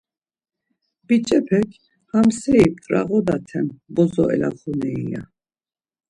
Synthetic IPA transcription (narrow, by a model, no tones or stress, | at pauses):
b̥it͡ʃʼɛpʰɛkʰ | hamsɛip̚t̪ʼɾaɣɔd̪at̪ʰɛmbɔzɔɛ̰laχunɛija̰